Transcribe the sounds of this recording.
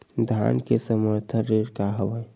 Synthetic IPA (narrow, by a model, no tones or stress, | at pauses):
d̪ʱa̰nkesəməɾt̪ʰənɾeɾkaɦəʋə̃